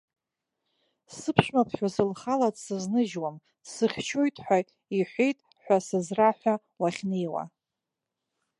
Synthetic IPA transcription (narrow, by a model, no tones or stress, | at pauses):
sɨpʰʂmapʰħᶣasɨlχalatʼsɨznɨʒwam | sɨχʲt͡ʃʰojtʼħʷᶣa | iħʷejtʼ | ħʷasɨzraħʷᶣa | waχʲnejwa̰